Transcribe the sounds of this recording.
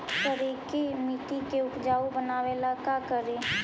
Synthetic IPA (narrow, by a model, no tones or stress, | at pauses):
t̪əɾiːkemiːʈikeʊkd͡ʒaːobənaːʋeːlakakəɾeː